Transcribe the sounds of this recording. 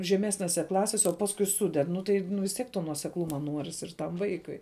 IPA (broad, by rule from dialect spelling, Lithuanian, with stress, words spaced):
ʒʲɛˈmʲæːsʲnʲeːsʲɛ ˈklˠɑːsʲeːsʲɛ oː ˈpɑːskʊɪ ˈsʊdʲɛt ˈnʊ tɐɪ nʊ ʋʲɪs tʲˈiɛk toː nuɔsʲɛkˈlˠʊmɐ ˈnuɔrʲɪs ɪr tɐm ˈʋɐɪkʊɪ